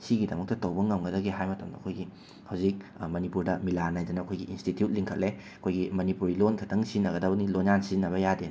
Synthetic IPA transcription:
siɡidɐmɐk̚tɐtɐwbɐŋɐmɡɐdɐɡiɦajmɐtɐmdɐɐkʰojɡi | hɐwzik̚mɐnipuɾdɐmilanajdɐnɐɐkʰojɡiinstitjut̚liŋkʰɐ̰t̚le | ɐkʰojɡimɐnipuɾilonkʰɐtʰɐŋsinːɐɡɐdɐbɐnilonansiinːɐβɐjaden

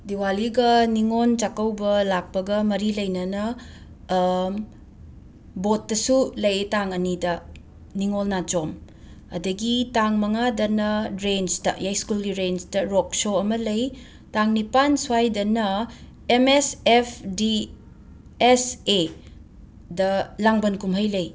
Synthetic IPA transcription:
diwaliɡɐniŋont͡ʃakɐwbɐlak̚pɐɡɐmɐɾilɐjnɐnɐ | bot̚ːɐsulɐjtaŋɐnidɐ | niŋolnat͡ʃom | ɐ̰dɐɡitaŋmɐŋadɐnɐɾensdɐjajskulɡiɾensdɐɾok̚soɐmɐlɐj | taŋnipansuajdɐnɐ | emesepʰdi | ese | dɐlaŋbɐnkumɦɐjlɐj

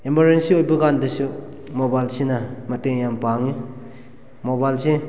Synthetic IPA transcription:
emaɾensiojbɐɡandɐsu | mobajlsinɐmɐteŋjampaŋi | mobajlse

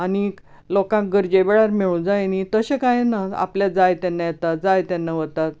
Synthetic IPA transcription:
ani | lokãk̚ɡəɾd͡ʑeʋeɭaɾmiɭũːd͡zajnit̪əɕekajenaa̰pljad͡zajt̪anːajet̪at̪̚d͡zajt̪anːaʋət̪at̪̚

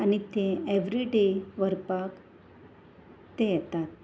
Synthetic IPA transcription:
anit̪ẽeʋɾiɖeʋəɾpak | t̪ejɛt̪at̪̚

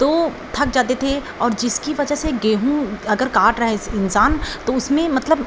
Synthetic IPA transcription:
t̪oː | t̪ʰɐk̚d͡ʒaːt̪et̪ʰe | ɔːɾd͡ʒɪskiʋɐd͡ʒəɦseɡeːɦũɐɡəɾkaːʈɾɐɦeɪsɪnsaːnt̪oʊsmẽmɐt̪ləb

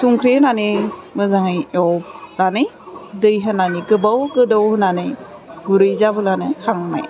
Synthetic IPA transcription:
suŋkʰɾenanemɯzaŋɯjɔwlanɯj | dɯjɦɯnaniɡɯbawɡɯdɔwhɯnanejɡuɾɯjzabɯlanɯkʰaŋna̰j

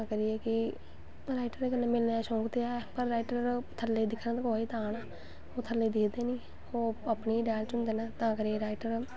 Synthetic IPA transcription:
ãkəɾiːeːkɪ | ɾaːɪʈəɾkənẽːmɪlnɛːʃõːkt̪eːaːpəɾːaːɪʈəɾt̪ʰəlːeiːd̪ɪkʰnãːt̪əkoːiːt̪aːnaː | oːt̪ʰəleːd̪ɪkʰd̪eːnĩː | oːəpniːɖɛːlt͡ʃʊnd̪eːnaːt̪ãːkəɾieːɾaːɪʈəɾ

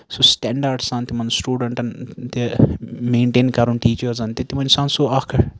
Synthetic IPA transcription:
sosʈɛɳɖaɾɖsãnt̪imɐnsʈuːɖɐɳʈɐnt̪imẽːɳʈeːnkɐɾunʈiːt͡ʃɐɾzɐnt̪it̪imɐnsãːnsoːɐkʰɐ

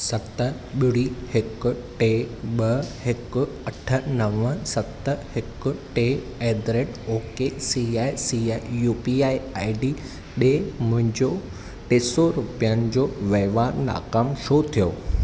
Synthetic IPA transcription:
sɐt̪ə | ɓɪɽihɪkʊ̆ʈeːɓɐhɪkʊ̆ | ɐʈʰə̆nɐʋə̃sɐt̪əhɪkʊ̆ʈe | eːd̪ɾeːʈoːkesiaːisiaijuːpiːaːiaːɪɖiː | ɗeːmʊ̃ɦɪ̃ɲd͡ʑo | ʈeːsoɾʊpijənɪ̆d͡ʑoːʋeɦʋaːnna̰ːkaːmʃot̪ʰijoː

